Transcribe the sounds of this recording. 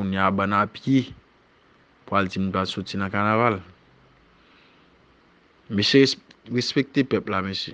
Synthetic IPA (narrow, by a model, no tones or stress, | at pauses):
uniabãnapje | puald͡zimũpasot͡sinãkanaval | meʃiɣespek̚t̪epɛplamesi